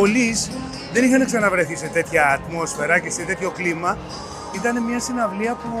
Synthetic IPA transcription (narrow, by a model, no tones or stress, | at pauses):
olis | ðe̞nixɐneksɐnɐvɾe̞θise̞t̪e̞t̪çɐːt̪mo̞sfe̞ɾɐce̞set̪e̞t̪ço̞klimɐ | it̪ɐne̞mɲɐsinɐvliɐpu